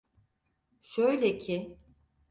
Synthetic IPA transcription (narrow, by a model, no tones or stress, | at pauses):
ʃøjlʲecʰɪ